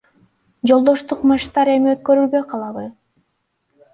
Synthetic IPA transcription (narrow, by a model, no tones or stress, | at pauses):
d͡ʒo̞lˠd̪o̞ʃt̪uqmɑʃt̪ɑɾe̞miøt̪̚kø̞ɾylbø̞jqʰɑlˠɑβɯ